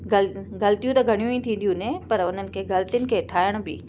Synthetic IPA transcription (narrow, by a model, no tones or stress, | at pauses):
ɡlɡɐlt̪ijũt̪ɐɡʱɐɽ̃ijũĩt̪ʰĩːn̆d̪ijũnẽpɐɾʊn̤ənɪ̆kʰeːɡɐlt̪ijnɪ̆kʰeːʈʰaːɪəɽ̃ʊbɪ̰